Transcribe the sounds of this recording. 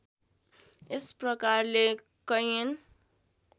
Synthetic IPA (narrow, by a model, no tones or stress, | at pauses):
esprʌkarle | kʌjin